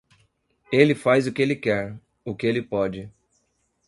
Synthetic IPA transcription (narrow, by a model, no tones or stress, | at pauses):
elɪfajzʊkɪelɪkɛɾ | ʊkɪelɪpɔd͡ʒɪ